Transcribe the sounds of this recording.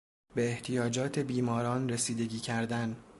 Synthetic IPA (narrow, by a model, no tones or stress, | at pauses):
be̞ːht̪ʰijɒːd͡ʒɒːt̪ʰe̞biːmɒːɾɒːnresiːd̪e̞ɟʲiːcʰæɾd̪æn